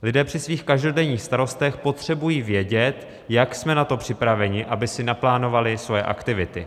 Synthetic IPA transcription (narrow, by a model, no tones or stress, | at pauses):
lɪdɛːpr̝̥ɪsviːxkaʒdo̞dɛɲiːxst̪aɾo̞st̪ɛxpo̞t̪r̝̥ɛbujiːvjɛɟɛt̪ | jaksmɛnat̪o̞pr̝̥ɪpɾavɛɲɪʔabɪsɪnaplaːno̞valɪsvojɛʔa̰kt̪ɪvɪt̪ɪ